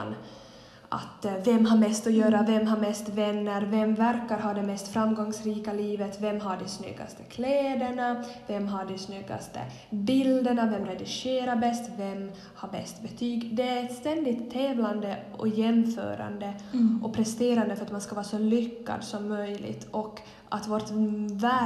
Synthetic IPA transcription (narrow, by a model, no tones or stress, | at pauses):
n | ʔa̰t̪vɛmːɦaɾmɛst̪ɔjøːɾavɛmɦaɾmɛst̪vɛnːəɾvɛmvæɾkaɾɦɑːd̪ɛmɛst̪fɾamːɡɔŋsɾiːkaliːvət̪vɛmːɦaɖɛsnʏ̰ɡːa̰st̪ə̥kʰlɛːd̪əɳavɛmːɦaɖɛsnʏɡːa̰st̪ə̰ | bɪld̪əɳavɛmɾɛd̪ɪʂeːɾaɾbɛst̪vɛm | haɾbɛ̰st̪bɛt̪ʰyːɡd̪ɛɛt̪st̪ɛnd̪ɪt̪ʰːɛːvland̪əʔɔ̰jɛmːfœ̰ːɾa̰nd̪əʔɔpʰɾɛst̪eːɾand̪əfœɾat̪manskavɑːsɔlʏkːa̰d̪sɔmːœjlɪ̰ɡt̪ʰɔkː | ʔat̪vɔt̪væ